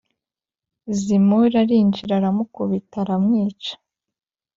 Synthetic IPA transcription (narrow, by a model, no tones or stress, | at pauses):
zimoɾaɾiːɲd͡ʒiɾaɾamukoβitaɾamŋiːt͡ʃḁ